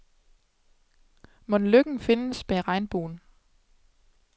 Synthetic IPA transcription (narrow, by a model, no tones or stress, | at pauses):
mɔ̽nløɡ̥ŋ̩fe̝nəsb̥eʁɑ̈ɪnb̥o̝̰ːn̩